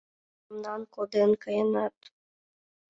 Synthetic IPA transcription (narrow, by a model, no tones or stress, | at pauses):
mnɑnkod̪enkəjənɑt̪